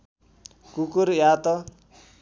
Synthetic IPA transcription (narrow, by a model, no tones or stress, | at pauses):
kukuɾjat̪ʌ